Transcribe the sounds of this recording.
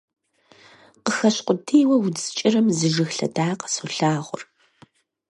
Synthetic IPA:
qəxɐɕqʷʼʊtʰiːjwɐwzɨ̥t͡ʃʼɪrɨmzɨʒɨxɬɐ̰daːqə̥soɬaːʁʷʊ̰r

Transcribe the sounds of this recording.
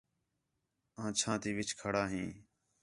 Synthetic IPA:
ãːt͡ʃʰãːt̪iːʋɪt͡ʃʰkʰəɽaːɦĩː

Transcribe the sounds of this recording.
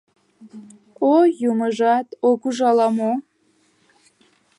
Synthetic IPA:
ojuməʒɑt̪okuʒɑlɑmo

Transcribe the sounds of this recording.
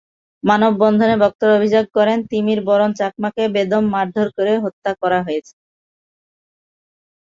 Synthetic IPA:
manobːɔnd̪ʱonebɔk̚t̪oɾobʱid͡ʑoɡ̚kɔɾent̪imiɾbɔɾont͡ɕak̚makebed̪omːaɾd̪ʱoɾkoɾeɦot̪ːakɔɾaɦojet͡ɕʰe̥

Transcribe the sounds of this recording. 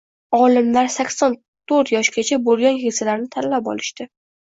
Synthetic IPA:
ɒlˠɪmlaɾsakʲsɒn | t̪ʰoɾt̪jɒʃɡʲat͡ʃʰabolˠɡʲanhesalaɾnɪt̪ʰanlapɒ̰lɪʃt̪ɪ

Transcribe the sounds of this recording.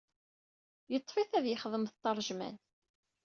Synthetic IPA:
jət̪ˤːfiθæðjəχðˤəmθt̪ːɑɾˤʒmæ̰n

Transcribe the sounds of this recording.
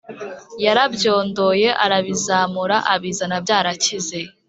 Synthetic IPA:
jaɾabjo̞ːndo̞je̞ʔaɾaβizaːmuɾaʔaβiːzanabjaːɾacize̞

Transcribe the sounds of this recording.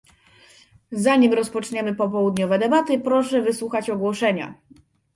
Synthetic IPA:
zaɲimɾɔspɔt͡ʂɲɛmɘpɔp̬ɔwud̪ɲɔvɛd̪ɛbat̪ɘpɾɔʂɛvɘswuxat͡ɕɔɡwɔʂɛɲa̰

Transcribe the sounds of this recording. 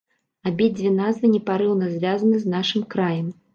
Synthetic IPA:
abʲid͡zʲvʲinazvɨnʲɛpaɾɨwnɐzʲvʲazɐnɨznaʂɨmkɾajɛm

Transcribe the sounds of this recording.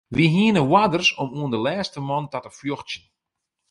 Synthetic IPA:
ʋiɦiənəwadərsɔmuəndəlɛːstəmɔntatəfjoxtjən

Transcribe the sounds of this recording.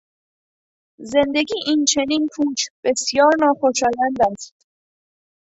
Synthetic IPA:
ze̞nd̪e̞ɡiːʔiːnt͡ʃʰe̞niːnkʰuːt͡ʃʰb̥e̞sjɒːɾnɒːxoʃɒːlænd̪æs

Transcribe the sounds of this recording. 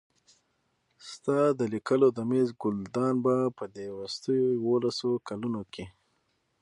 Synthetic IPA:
st̪ɑd̪əlikəlod̪əmezɡʊld̪ɑnbapəd̪ewʊst̪əjojwolasokalunokʰe

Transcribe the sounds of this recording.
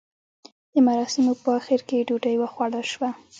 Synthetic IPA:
d̪̥əmaɾɑsɪmopəaxɪɾkeɖuʈəjwəxwaɽəʃwa

